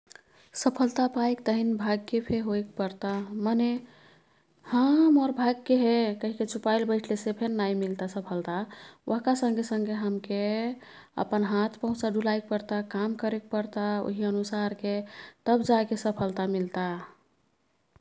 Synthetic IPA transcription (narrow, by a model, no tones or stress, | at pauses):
səpʰəlt̪apaekt̪əɦinbʱaɡ̚kepʰeɦoekpəɾt̪aməne | həmɔɾbʱaɡ̚keɦekəɦiket͡ʃʰupajlbəɪʈʰlesepʰenːajmilt̪asəpʰəlt̪awʔəɦkasə̃ŋɡʱesəŋɡʱeɦəmke | ə̰pənɦat̪ʰpəɦũt͡ʃaɖʱulajk̚pəɾt̪akamkəɾek̚pəɾt̪ao̰ɦiənusaɾket̪əbd͡ʒakesəpʰəlt̪amilt̪a